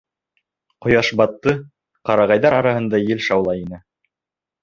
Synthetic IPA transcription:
qŏjɑʃbɑt̪ːɤ | qɑɾɑʁɑjðɑɾɑɾɑɦɤ̆nd̪ɑjɘlʃɑwlˠɑjinɘ

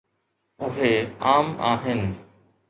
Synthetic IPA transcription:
ʊɦeːaːma̰ːɦɪnɪ̆

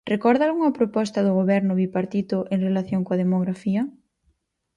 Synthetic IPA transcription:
rekɔɾðaluŋɐpɾopɔst̪ɐðʊɣoβɛɾnʊβipaɾt̪it̪ʊʔeŋrelaθjoŋkoɐðemoɣɾafiɐ

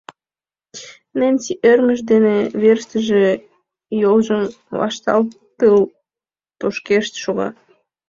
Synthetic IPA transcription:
nenʲsiʔerməʃd̪eneβerʃt̪əʒe | jolʒəm | βɑ̰ʃt̪ɑ̰lt̪əl | t̪oʃkeʃt̪ʃoɣɑ̰

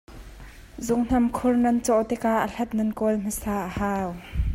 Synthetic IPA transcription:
zʊŋn̥ɐmkʰʊrnɐnt͡sɔʔt̪ɛkaʔəɬɐt̪̚nɐnkɔlm̥əsaːʔəhaːw

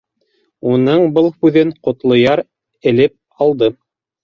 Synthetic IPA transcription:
unɤɴbɤlˠhʉðɘɴqŏt̪lˠŏjɑɾ | ɘ̆lɘp̚ | ɑlˠd̪ɤ

